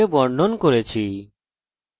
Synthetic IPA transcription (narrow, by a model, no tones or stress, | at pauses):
ebɔɾɖonkoɾet͡ɕʰi